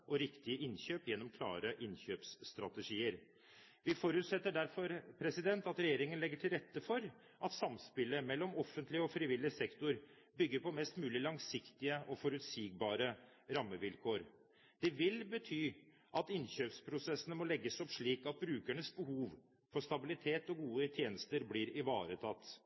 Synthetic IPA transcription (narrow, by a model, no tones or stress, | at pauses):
ʔɔɾɪkt̪ɪəʔɪnɕøːpjɛnːɔmkʰlɑ̰ːɾəʔɪnçøːpsːt̪ɾɑt̪əʂiːəɾ | ʋɪfɔɾʉːt̪sɛt̪ːəɖæɾfɔɾpʰɾɛsɪd̪ɛnt̪ɑt̪ɾɛjeːɾɪŋənlɛɡːəʈʰɪlɾɛt̪ːəfɔɾ | ʔɑt̪sɑmspɪlːəmɛlːɔmɔfːənt̪lɪəɔfɾɪʋɪlːɪəsɛkt̪ʊɾ | bʏɡːəɾpʰɔmɛst̪mʉːlɪlɑŋsɪkt̪ɪəʔɔfɔɾʉt̪siːɡbɑːɾə | ɾɑmːəʋɪlkʰoːɾ | d̪̥ɛʋɪlbət̪ʰyː | ʔɑt̪ɪnçøːpspʰɾʊsɛsːənəmɔlɛɡːəsɔpʂɭiːkɑt̪̚bɾʉːkæɳəsbəɦuːʋ | fɔʂt̪ɑbɪlɪt̪ʰeːt̪ɔɡuːət̪ʰjeːnəst̪əɾbliːɾɪʋɑ̰ːɾət̪ʰɑt̪ː